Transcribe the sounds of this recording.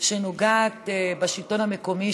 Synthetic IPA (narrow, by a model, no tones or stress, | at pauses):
ʃenoɡaːt̪baʃilt̪onhameko̞mi